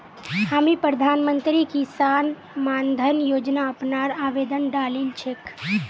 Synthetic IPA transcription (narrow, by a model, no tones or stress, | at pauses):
hamipɾəd̪ʱanmənt̪ɾikisan | mand̪ʱənjod͡ʒnaəpnaɾaʋed̪ənɖalilt͡ʃʰek